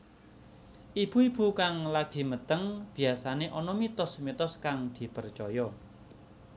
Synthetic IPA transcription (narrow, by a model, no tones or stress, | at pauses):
ʔib̥ṳib̥ṳkaŋlaɡ̥i̤mət̪əŋb̥i̤asaneʔɔnɔmit̪ɔsmit̪ɔskaŋd̪̥i̤pərt͡ʃɔjɔ